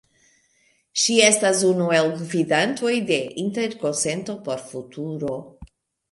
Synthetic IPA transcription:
ʃie̞stasunue̞lɡvidantʰo̞jde̞ʔinte̞ɾko̞nse̞nto̞po̞ɾfutʰuɾo̞

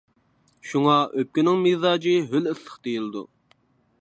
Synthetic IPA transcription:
ʃuŋɑʔøp̚kʲynɪŋmezɑːd͡ʒiɦølɨslˠəχd̪ejilˠɨd̪ṵ

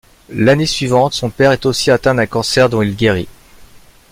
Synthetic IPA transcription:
lanesɥivɑ̃t̪sɔ̃pɛʁɛt̪osiat̪ɛ̃d̪ɛ̃kɑ̃sɛʁd̪ɔ̃ilɡʲeʁḭ

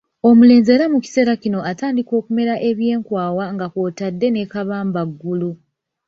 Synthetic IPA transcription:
omule̞ːnze̞ɾamuci̥se̞ɾacino̞ʔataːndiko̞ːkume̞ɾaʔe̞βje̞ːŋkwaːwaŋɡako̞ːtadːe̞ne̞kaβaːmbaɡːulu

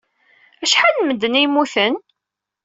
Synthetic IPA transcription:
æʃħalməd̪ːənimːuθən

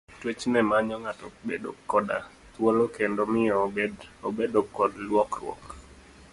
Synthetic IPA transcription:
twet͡ʃnɛmaɲɔŋatɔbedo̰kːɔda̰ | t̪wolokendomɪjɔeobedokːɔdlwɔkɾwɔ̰k

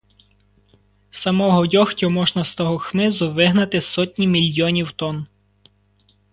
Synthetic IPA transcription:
sɐmɔɦɔdʲɔxtʲɔmɔʒnɐst̪ɔɦɔxmɪzʊʋɪɦnɐt̪ɪsɔtʲnʲimʲilʲjɔnʲiwt̪ɔn

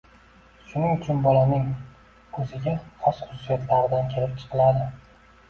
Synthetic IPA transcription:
ʃʊnɪŋʊt͡ʃʰʊnbɒlanɪŋ | kʰɵzɪɡʲaχɒsχʊsʊ̥sijat̪laɾɨd̪ankʲʰe̞lɪp̚t͡ʃʰɨ̥qʰɨlad̪ɪ

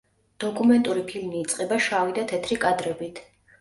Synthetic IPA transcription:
d̪̥ɔkʼumɛnt̪ʼuɾipʰilmiːt̪sʼqʼɛbaʃavid̪at̪ʰɛt̪ʰɾikʼad̪ɾɛbit̪ʰ

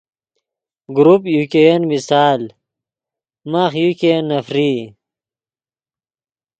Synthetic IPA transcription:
ɡɾupjukejenmisaːl | maxjukenɐfɾiː

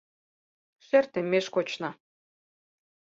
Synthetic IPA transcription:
ʃert̪ĕmːeʃkot͡ɕnɑ

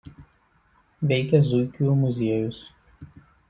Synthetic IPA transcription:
ʋʲɛɪkʲɛzʊɪkʲuːˑmʊzʲiɛjʊs

